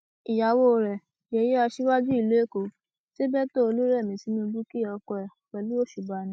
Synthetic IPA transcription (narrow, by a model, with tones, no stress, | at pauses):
i˨ja˨wo˦˨ɾɛ˨ | jɛ˨je˦a˧ʃi˦wa˦d͡ʒu˦i˨le˨˦˨ko˨ | se˦bɛ˦to˦o˧lu˦ɾɛ˦˨mĩ˨˦si˦nũ˦˧bu˦ki˦ɔ˧kɔ˧ɛ˨k͡pɛ˧lu˦o˦ʃu˨ba˨˦nĩ˧˦